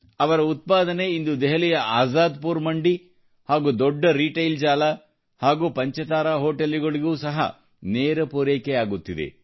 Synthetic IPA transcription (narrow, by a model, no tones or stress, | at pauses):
ɐʋɐɾɐut̪̚paːd̪ɐne̞ind̪ud̪ɛɦɐlɛjɐʔaːzaːd̪puːɾmɐɳɖi | haːɡuːd̪ɔɖːɐɾiːʈɐjld͡ʒaːlɐ | haːɡuːpɐɲt͡ʃɐt̪aːɾaːɦoːʈɐlːiɡɐɭiɡuːsɐɦɐ̰ | neːɾɐpoːɾeːkeaːɡut̪ːid̪ḛ